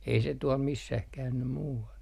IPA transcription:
ei se tuɔl misːæh kæynːy muːɑl

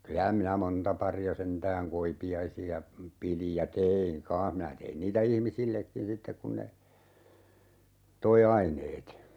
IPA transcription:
kylæ minæ montɑ pɑriɑ sentæːŋ koipiɑisiɑ pilij jɑ teːiŋ kɑ̃ːh minæ tein niːtæ ihmisilːekːin sitːek kun ne toi ɑineːt

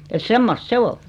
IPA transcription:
et semːost se ol

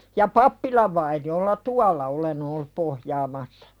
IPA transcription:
jɑ pɑpːilɑʋ ʋɑiniolːɑ tuɑlˑɑ olen olːup pohjɑːmɑsːɑ̥

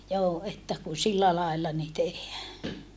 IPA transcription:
joː etːæ ku silːæ lɑelːɑ ni tehːæː

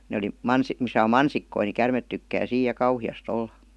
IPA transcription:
ne oli mɑns misæ om mɑnsikːoi ni kærmet tykːæː siːj jɑ kɑuhiɑst olːɑ

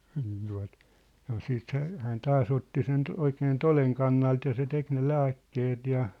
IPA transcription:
niːn tuɑ̝t sɑno siːt hæ hæːn tɑːs otːi sen oikeːn toleŋ kɑnːɑlt jɑ se tek ne læːkːeːt jɑ

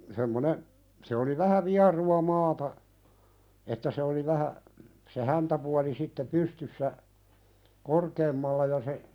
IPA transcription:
semːone se oli ʋæhæ ʋiɑruɑ mɑːtɑ etːæ se oli ʋæhæ se hæntæpuɑli sitːe pystysːæ korkeːmːɑlːɑ jɑ se

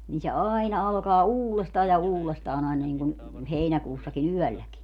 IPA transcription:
niː se ɑːinɑ ɑlkɑː uːlestɑː jɑ uːlestɑːn ɑinɑ niŋkun heinækuːsːɑkin yœˑlːæki

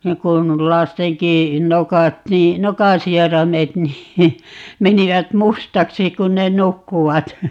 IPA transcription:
niːŋ kun lɑsteŋki nokɑt niː nokɑ̃ː sierɑmet niː meniʋæt mustɑksi kun ne nukːuʋɑt

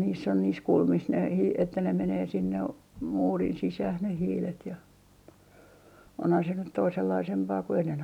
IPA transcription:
niːsː on niːs kulmis ne hiː etːæ ne meneː sinːe muːrin sisæh ne hiːlet jɑ onhɑn se nyt toiselːɑisempɑː ku enːen

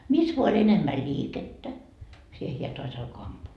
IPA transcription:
mis ʋoɑ olʲ enemːæ lʲiːketːæ siːhe hiæ toɑs ɑlko ɑmpuː

